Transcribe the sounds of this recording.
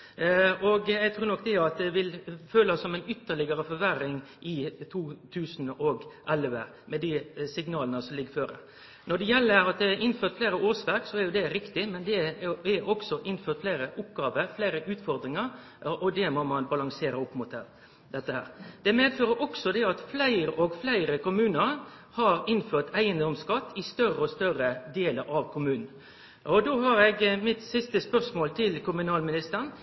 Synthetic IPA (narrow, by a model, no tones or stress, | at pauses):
ɔɡjɛɡt̪ʰɾuːɾnɔk̚ːd̪ɛɑt̪̚d̪ɛʋɪlføːlɑsːɔmɛɪnʏt̪ːəɭɪɡəɾəfɔɾʋæɾɪŋʔɪt̪ʰuːt̪ʰʉːsnɔɡʔɛlʋə | mɛd̪ɪsɪɡnɑːlənəsɔmlɪɡːəføːɾə̰ | nɔd̪ɛjɛlːəɾɑt̪̚d̪ɛæɾʔɪnføːt̪fleːɾəoːsʋæɾksɔæɾjʊd̪ɛɾɪkt̪ɪmɛnd̪ɛɛʔɔksɔʔɪnføːɾt̪fleːɾəʔʊpːɡɑːʋəɾfleːɾəʔʉːt̪fɔɾd̪ɾɪŋəɾ | ʔɔd̪ɛmomɑnbɑlɑŋseːɾəʊpːmʊːt̪ɛ̰ | d̪ɛt̪ːəhæ̰ːɾd̪̥ɛmeːd̪føːɾəɾʔɔksɔd̪ɛɑt̪flæɪɾəʔɔɡflæɪɾəkʊmʉːnəɾhɑɾɪnːføːt̪ʰæɪənd̪ɔmskɑt̪ːɪst̪œrəɔst̪œɾəd̪eːləɾʔɑʋkʰʊmʉːnn̩ | ɔd̪oːɦɑɾɛɡmɪt̪sɪst̪əspœʁsmoːlt̪ʰɪlkʊmʉnɑːlmɪnɪst̪əʁən